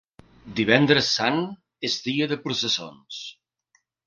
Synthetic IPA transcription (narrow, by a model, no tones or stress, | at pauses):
d̪iβ̞ɛnd̪ɾəsːan | ezðiəðəpɾusəso̰ns